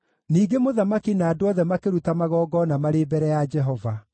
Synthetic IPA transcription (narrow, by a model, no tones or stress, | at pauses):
niːɡemoðamakinaːdoɔðɛmakeɾutamaɣɔːɡɔnamaɾebɛɾɛjad͡ʒɛɦɔva